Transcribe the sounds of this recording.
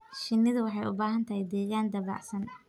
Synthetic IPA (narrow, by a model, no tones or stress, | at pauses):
ʃɪnːɪðɐwɑħɑjʊbaːɦɐnt̪ʰɐhɛjd̪ɛːɣaːnd̪ɐβɑ̰ːʕsɐn